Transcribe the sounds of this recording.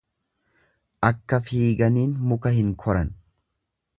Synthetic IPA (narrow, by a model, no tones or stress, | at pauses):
ʔɐkːɐfiːɡɐniːnmʊkɐhɪŋkʰɔɾɐn